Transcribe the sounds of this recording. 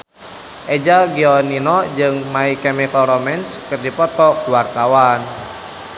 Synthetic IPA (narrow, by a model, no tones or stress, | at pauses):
ʔɛd͡ʒaɡiɔninɔd͡ʒɨŋmaikɛmikalɾɔmɛnskɨrdipɔt̪ɔkluwart̪awan